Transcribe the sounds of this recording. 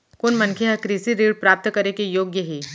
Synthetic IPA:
kʊnmɐnkʰeɦɐkɾiːsiɾiːɖpɾaːp̚t̪kɐɾekejoːɡjəɦiː

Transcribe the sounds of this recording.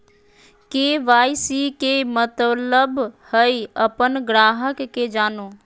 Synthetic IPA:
keʋaːjsikemət̪ələbhəjəpənɡɾaːɦəkːed͡ʒaːno

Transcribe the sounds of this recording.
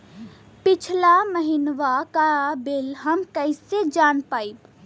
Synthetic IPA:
pɪt͡ʃʰlaməɦinʋakabelɦəmkəɪsed͡ʒanpaːib

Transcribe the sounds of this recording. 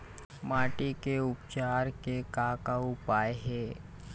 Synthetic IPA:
maːʈikeʊpt͡ʃaːɾkekaːkaʊpaːeɦɛː

